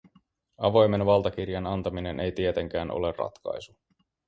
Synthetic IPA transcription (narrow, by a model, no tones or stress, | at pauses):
ɑʋo̞jme̞nʋɑlˠt̪ɑk̟irjɑnɑnt̪ɑmine̞nʔe̞jt̪iet̪e̞ŋk̟æːnʔo̞̰le̞rrɑ̰t̪kɑ̰jsu̥